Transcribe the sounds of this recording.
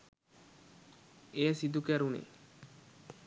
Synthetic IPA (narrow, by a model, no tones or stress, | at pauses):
easid̪ukɛɾunḛ